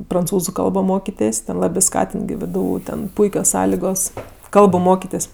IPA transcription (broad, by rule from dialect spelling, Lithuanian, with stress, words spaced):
prɐnˈt͡suːzʊ ˈkɐlˠboː ˈmoːkʲɪtʲeːsʲ tʲɛn ˈlˠɑːbʲeː ˈskɑːtʲɪnt ɡʲɪ ˈʋdʊ ˈtʲɛn ˈpʊɪkʲoːs ˈsɑːlʲɪɡoːs ˈkɐlˠbʊ ˈmoːkʲɪtʲeːsʲ